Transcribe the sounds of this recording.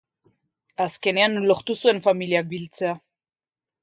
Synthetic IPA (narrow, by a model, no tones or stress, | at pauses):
aske̞neanloχt̪usue̞nfamiliak̚bilt͡sea